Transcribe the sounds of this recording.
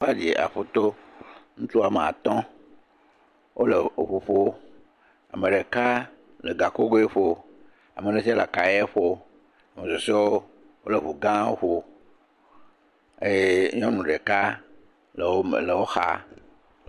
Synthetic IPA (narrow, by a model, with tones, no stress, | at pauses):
a˦d͡ʒi˨ʔa̰˨ɸo˦t̪o˦ŋũ˦t̪u˦a˨mẽ˨a̰˨t̪ɔ̃˦ | wʔo˦le˨ɸu˨ɸo˦ | a̰˨mẽ˨ɖe˨ka˦ | le˨ɡa˨ko˦ɡo˦e˦ɸo˦ | a̰˨me˨ne˦si˦a˦la̰˨ka˨je˦ɸo˦ | a˨mẽ˨zo˨se˦woo˦ | wo˦le˨ɸu˨ɡã˦o˦ɸo˨ | e˦ɲɔ̃˦nũ˨ɖe˨ka˦ | l̰le˨wo˦xa̰˦